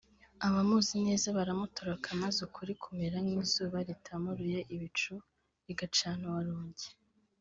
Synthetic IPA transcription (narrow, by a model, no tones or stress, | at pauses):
aβamuːzine̞ːzaβaɾamutoɾokʰamazukʰuɾikʰumeɾaniːzuːβaɾitʰamoɾujaʔiβit͡ʃu | iɡat͡ʃaːnowaɾoːɲɟe